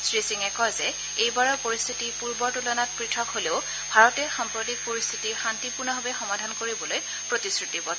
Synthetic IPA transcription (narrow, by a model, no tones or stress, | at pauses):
sɹisiŋɛkɔzɛ | ejbaɹɔɹpoɹist̪ʰitipuɹbɔɹtulɔnat̚pɹitʰɔkɦoleʊ | bʱaɹɔtɛxampɹotik̚poɹist̪ʰitiɹxantipuɹnɔɦɔbɛxɔmadʱankoɹibɔloj | pɹotisɹutibɔ